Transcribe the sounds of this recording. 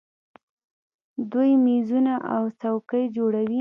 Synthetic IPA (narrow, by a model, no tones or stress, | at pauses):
d̪ujmizunaʔawt͡sawkəjd͡ʒoɽawi